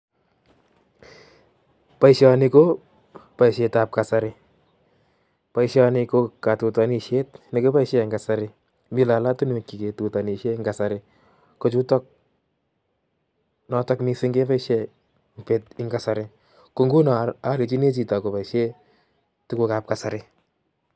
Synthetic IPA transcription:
pa˦iʃjanɪ˧ko˦ | pa˨iʃe˧ta˨p̚ka˨sa˧ɾɪ˨ | pa˨iʃjanɪko˧ka˨tu˨ta˨ni˨ʃe˦tni˨ko˦pa˦iʃe˨ŋɡasaɾɪ | mi˨la˨la˦tu˦n˦e˨ki˨ke˨tu˨ta˨ni˨ʃe˦ŋɡa˨sa˨ɾɪ | kot͡ʃu˦tɔ˦k̚ | nɔ˧tɔ˦kmi˧sɪ˦ŋɡe˦pa˦iʃe | mpe˨tɪ˨ŋɡasaɾɪ | ko˨ŋɡu˦na˨a˨li˨t͡ʃi˦ne˦t͡ʃi˨ta˨ko˨pa˨iʃje˦ | tu˦ko˨kap̚ka˨sa˨ɾɪ

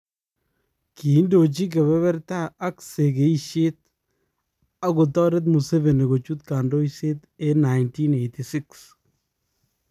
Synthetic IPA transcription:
ki˨˦ndo˨t͡ʃi˦k̬e˨βɛ˦βɛ˦ɾtaː˦kse˨ke˨˦i˦ʃe˦t̪̚ | a˨ko˨tɔ˦ɾe˦t̬mu˨se˦ve˨ne˨ɡo˨t͡ʃu˦t̪ka˨ndo˦ise˦te˦na˨jnti˦ne˨jti˨sɪ˦ks

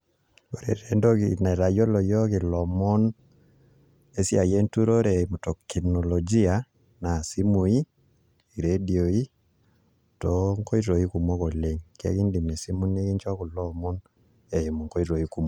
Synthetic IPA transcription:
o˨ɾḛ˨ɾe˨ndo˦ki˨na˨i˨ɾa˨jo˦lɔ˨jɔ˦ki˨lɔ˨mɔ˦n | e˦si˦a˨je˦ntu˦ɾo˦ɾe˨i˨mu˨tɔ˨kːi˨nɔ˨lɔ˨d͡ʒi˦a˨ | na˨si˦mu˨i˦ | i˨ɾe˦di˨o˨i˦ | to˨˦ŋko˦i˦to˨i˦ku˨mo˦ko˨le˨ŋka̰˦ki˦ndi˨me˨si˦mu˦ne˦ki˦ɲt͡ʃɔ˦ku˨lɔ˦mɔ˦n | e˨i˨mu˨ŋko˦i˦ɾo˨i˦ku˦mo˨

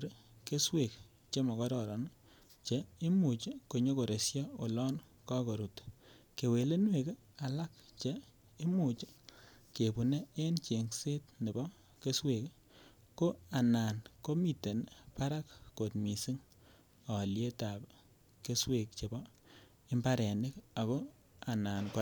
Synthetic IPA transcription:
ɾke˦swe˨k | t͡ʃe˦mɔ˨kɔ˦ɾɔ˨ɾɔ˨n | t͡ʃe˦i˦mu˨t͡ʃko˨ɲo˦ko˨ɾe˨sjɔ˦o˨lɔ˦n | kɔ˦ko˨ɾu˨t | ke˨we˨le˦nwe˨k | a˨la˦k̚t͡ʃe˦ | i˦mu˨t͡ʃke˨pu˨ne˦e˦nt͡ʃe˨ŋse˦tne˨bɔ˦ | ke˦swe˨k | ko˦a˨naː˨nko˦mi˨te˨npa˦ɾa˦kːo˨tmi˨si˦ŋ | ɔ˨lje˦ta˨p | ke˦swe˨k̚t͡ʃe˨bɔ˦ | i˦mba˦ɾe˨nɪ˦ka˨ko˦ | a˨naː˨nko

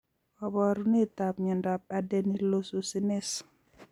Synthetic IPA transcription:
ɔ˨bɔ˨ɾu˦ne˦t̪a˨p̚ɲɛ˨nda˨p̚a˨dɛ˦ni˦lo˦so˨sɪ˦nɪ˦s

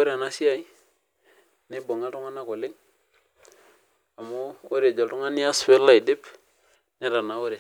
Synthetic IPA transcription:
o˦ɾe˦˨a˨na˦si˦a˦j | ni˦bo˨ŋa˦tu˦ŋa˦na˦˨ko˨lɪ˦ŋ | a˨mo˦o˦ɾe˨d͡ʒo˨tu˦ŋa˦n˦a˦sfe˦la˦˨i˨di˦p | ni˦ɾa˨na˨wo˦ɾe˨

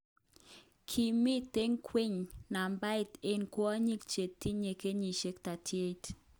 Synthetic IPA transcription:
kʰi˨mi˦t̪e˦ŋkʰwi˦ɲna˨mba˦ɪ˨te˦nkwɔ˦a˦ɲi˦k̚t͡ʃe˨t̪ːi˦ɲe˨ke˦ɲi˨ʃe˦kta˨tʰje˦t

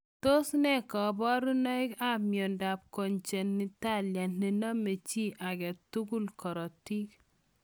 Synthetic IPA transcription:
to˦snɛ˦kɔ˨bɔ˦ɾu˦nɔ˦ɪ˦ka˦mjɔ˨nda˨p̚ko˨ɲt͡ʃe˨nːi˨˦ta˦lja˨nne˨na˦mːe˨t͡ʃi˦ʔa˨ɡɛ˨tu˦ɡu˦lkɔ˨ɾɔ˨ti˦k

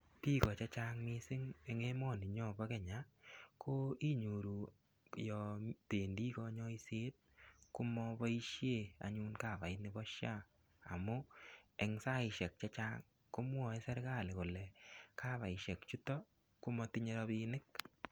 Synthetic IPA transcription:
pi˦kɔ˨t͡ʃa˦t͡ʃaŋmi˦sɪ˦ŋeŋe˦mɔ˦˨ni˨ɲɔ˦ba˦kɛ˨ɲa˦kʰo˦i˦ɲu˨ɾu˨ | jɔ˨teː˨ndi˦kɔ˦ɲɔ˦i˦seː˦t̚ku˦mɔ˦bɔ˦i˦ʃje˦˨a̰˨ɲu˦nka˦˨βa˨ɪ˦nɪ˦bɔ˦ʃja˦ | a̰˨mu˦ɛ˨ŋsa˦ɪ˨ʃɛ˨k̚t͡ʃa˦t͡ʃaː˦ŋ | ku˦mwɔ˨e˦sɛ˦ɾka˦˨lɪ˨kʊ˨lɛ˨ka˦βa˨ɪʃɛ˨kt͡ʃu˦tɔ˦ | ku˦mɔ˧tɪɲe˦ɾɔ˧binɪ˦k̚

